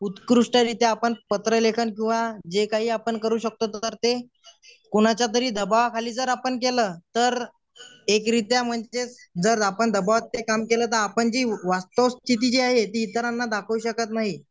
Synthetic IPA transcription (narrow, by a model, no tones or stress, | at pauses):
ut̪kɾuʂʈəɾit̪jeapəɳpət̪ɾəlekʰənkĩw̃ʋad͡ʑekaɦiːapəɳkəɾuːɕək̚t̪ot̪əɾt̪e | koɽ̃at͡ɕjat̪̬əɾiːd̪əbaʋkʰaliːd͡zəɾapəɳkeləːt̪əɾ | ekɾit̪jam̤əɳd͡zet͡sd͡zəɾapəɳd̪əbaʋat̪ːekamkeləːt̪̬əɾapəɳd͡ʑiːʋast̪əʋst̪ʰit̪̬id͡ʑiːaɦet̪iːt̪əɾanːad̪akʰʋuɕəkət̪naɦi